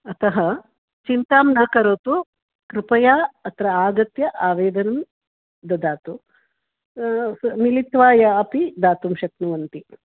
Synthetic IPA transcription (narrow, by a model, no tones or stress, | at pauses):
ɐt̪ɐɦɐ | t͡ʃint̪aːmnaːkɐɾoːt̪u | kɾupɐjaːɐt̪ɾɐaːɡɐt̪jɐʔaːʋeːd̪ɐnɐm | d̪ɐd̪aːt̪u | smilit̪ʋaːjɐɐpid̪aːt̪umʃɐknuʋɐnt̪i